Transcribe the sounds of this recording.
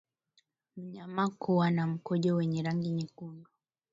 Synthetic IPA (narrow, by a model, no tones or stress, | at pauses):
m̩ɲamakuwanam̩kɔʄɔwɛɲɛɾaŋɡiɲikundɔ